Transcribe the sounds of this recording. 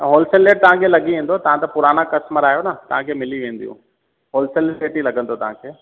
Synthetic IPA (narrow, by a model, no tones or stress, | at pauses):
ɦoːlsəlːeːʈ̚t̪ɐʋɦãkʰelɐɡiʋẽːn̆d̪ot̪ɐʋ̤ãt̪ɐpʊɾaːnakɐsməɾaːjonɐt̪ɐɦãkʰeːmɪliʋẽːn̆d̪ijṵ̃ː | ɦoːlsəleːʈilɐɡə̃nd̪ot̪ɐɦãkʰeː